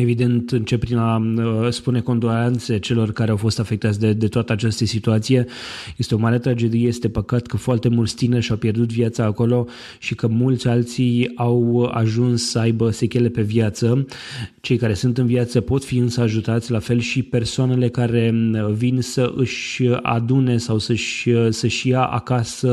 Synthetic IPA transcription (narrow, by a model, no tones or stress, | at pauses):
e̞vid̪e̞nt̪ɨnt͡ʃe̞pːɾinaspune̞ko̞nd̪olant̪set͡ʃe̞lo̞rkaɾeawfo̞st̪afe̞k̚t̪at̪sʲd̪ed̪e̞t̪oat̪əat͡ʃast̪əsit̪uat̪sije̞jest̪eo̞maɾe̞t̪ɾad͡ʒe̞d̪ieje̞st̪e̞pəkat̪kʰəfoart̪e̞mulst̪inəʃawpje̞rd̪ut̪viat̪saːko̞lo̞ | ʃikəmult̪sʲalt̪sijawa̰ʒunsːəajbəse̞kʲele̞pe̞vjat̪sə | t͡ʃe̞jkaɾe̞sunt̪ɨnviat̪səpo̞t̪fiɨnsəaʒut̪at̪sʲlafe̞lʃipe̞rsoane̞le̞kaɾe̞vinsəʔɨʃa̰d̪une̞sawsəʃsəʃjaʔa̰kasə